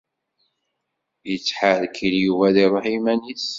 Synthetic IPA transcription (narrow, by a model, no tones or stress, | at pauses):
jət͡sːħalkʰːiljuvæðiɾˤoħimænis